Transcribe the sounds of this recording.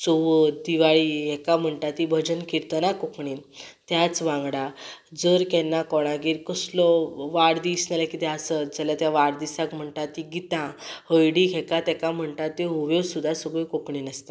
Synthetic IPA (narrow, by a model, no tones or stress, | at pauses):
t͡soʋəd̪iʋaɭiɦɛkam̤əɳʈat̪ibʱəd͡ʑənkiɾt̪ənakokɳit̪jat͡sʋãŋɡɽad͡zəɾkɛnːakɔɽ̃ãɡiːɾkəslɔʋaɽd̪isnalakit̪ɛasəd͡zəlat̪jaʋaɽd̪isakm̤əɳʈ̪at̪iɡit̪ãhəjɽikʰɛkat̪ɛkam̤əɳʈat̪ːeuʋjesud̪ʱːasəɡekokɳinəst̪a